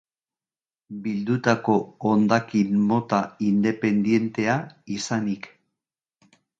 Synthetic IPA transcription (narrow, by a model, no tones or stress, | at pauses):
bild̪ut̪ako̞ːnd̪akinmo̞t̪aind̪e̞pe̞nd̪je̞nt̪e̞aisanik